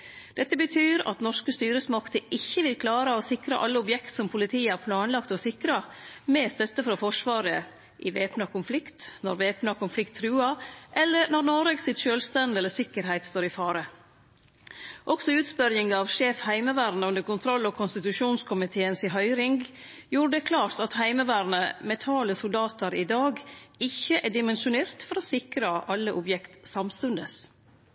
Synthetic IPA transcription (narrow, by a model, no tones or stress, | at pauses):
d̪̥ɛt̪ːəbət̪ʰyːɾɑ̰t̪nɔʂkəst̪yːɾəsmɑkt̪əʔɪçːəʋɪlkʰlɑːɾəosɪkɾə̰ʔɑlːəʊbjɛkt̪sɔmpʰʊlɪt̪ʰiːəæɾpʰlɑːnlɑkt̪ɔsɪkɾɑmɛːst̪œt̪ːəfɾɑfɔʂʋɑːɾə | ʔɪʋeːpnɑkʊnflɪkt̪nɔ̰ɾʋeːpnɑkʊnflɪkt̪ʰːɾʉːɑʔɛlːəɾnɔɾnoɾeɡsɪt̪ʃøːlst̪ɛnd̪ɛlːəsɪkːəɾhæɪt̪st̪oːɾɪfɑːɾə | ʔɔksɔʉːt̪spœɾjɪŋɡɑɑʋʃeːfhæɪməʋæːɾnəʉnd̪əɾkʊnt̪ʰɾɔlːɔkʰʊnst̪ɪt̪ʉʃuːnskʰʊmɪt̪ʰeːənsɪɦœʏɾɪŋɡ | juːɾəd̪ɛkʰlɑːɾt̪ɑt̪hæɪməʋæːɾnəmɛt̪ʰɑːləsʊld̪ɑːt̪əɾɪd̪ɑːɡɪçːəʔæɖɪmɛnʃʊneːɾt̪fɔɾɔːsɪkɾəʔɑlːəʔʊbjɛkt̪sɑmst̪ʉnd̪əs